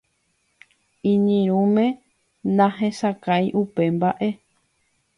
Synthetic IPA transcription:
ĩɲĩɾ̃ũmẽ̞ | nãɦẽsakajʔupe̞mbaʔe̞

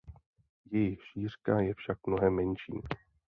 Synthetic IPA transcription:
jɛjɪxʃiːr̝kajɛfʃak̚mno̞ɦɛmːɛnʃḭː

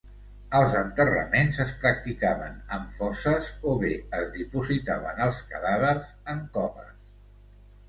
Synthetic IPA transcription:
əlˠzənt̪ərə̰menzəspɾək̚t̪ikaβənəɱfɔsəzoβeəzðipuzit̪aβ̞ənəlˠskə̰ðaβərzəŋkɔβə̰s

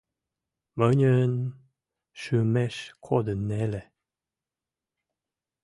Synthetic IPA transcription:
məɲʲən | ʃumeʃkʰod̪ənːele

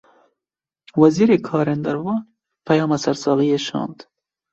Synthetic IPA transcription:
wɐziːɾekʰɑːɾend̪ɐɾwɑː | pʰɐjɑːmasɐɾsɑːɣijeʃɑ̰ːnd̪

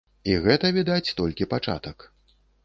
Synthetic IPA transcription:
iɣɛt̪ɐvʲid̪at͡sʲt̪ɔlʲkʲipat͡ʂa̰t̪ɐk

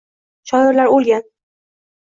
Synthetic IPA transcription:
ʃʰɒd̪ɪɾlaɾolˠɡʲan

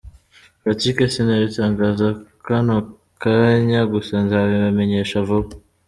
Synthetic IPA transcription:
fatikesinaβitaːŋɡaːzakano | kaɲaɡusanzawiβameɲeʃavoβ

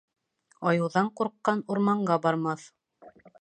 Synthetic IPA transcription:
ɑjɤ̆wðɑɴquɾqːɑnuɾmɑɴɢɑbɑɾmɑθ

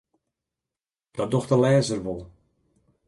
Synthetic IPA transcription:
d̥ɔdɔxtəlɛːzərʋolˠ

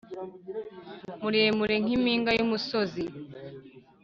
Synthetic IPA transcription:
muɾiemuɾeŋ̥imiːŋɡajumusozi

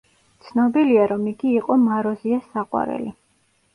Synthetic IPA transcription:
t̪sʰnɔbiliaɾɔmiɡiːqʼɔmaɾɔziasaqʼwa̰ɾɛ̰li

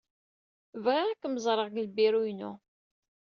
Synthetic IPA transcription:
vʁaʁækːməzˤɾˤəʁɡəlbiɾujnṵ

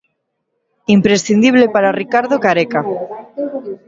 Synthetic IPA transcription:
impɾesθind̪iβ̞lepaɾarikaɾðokaɾeka

